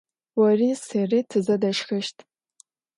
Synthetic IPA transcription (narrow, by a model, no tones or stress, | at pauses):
wɐriseritʰɨzɐdɐʃxɨʃtʰʼ